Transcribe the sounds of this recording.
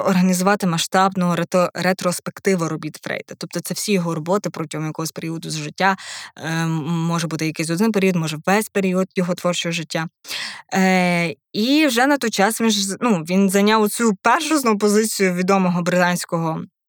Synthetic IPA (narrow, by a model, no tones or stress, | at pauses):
ɔrɦɐnʲizʊʋɑt̪ɪmɐʃt̪ɑbnɔɦɔɾɾet̪ɾɔspekt̪ɪʋɐɾɔbʲit̪fɾɛ̰jd̪ɐ̥t̪ɔp̚t̪ɔt̪sɛwsʲijɔɦɔɾɔbɔt̪ɪpɾɔtʲiɦɔmjɐkɔɦɔsʲpeɾʲiɔd̪ʊzʒɪtʲːa | mɔʒɛbut̪ɪjɐkɛs̬ʲɔd̪ɪnp̬eɾʲiɔd̪mɔʒɛwʋɛsʲpeɾʲiɔd̪jɔɦɔt̪ʋɔrt͡ʃɔɦɔʒɪtʲːa | iwʒɛnɐt̪ɔjt͡ʃɑsʋʲiʒnuʋʲinzɐnʲɑwɔt͡sʲupɛrʃɔznʊʊp̬ɔzɪt͡sʲijʊʋʲid̪ɔmɔɦɔbɾɪt̪ɑnʲsʲkɔɦɔ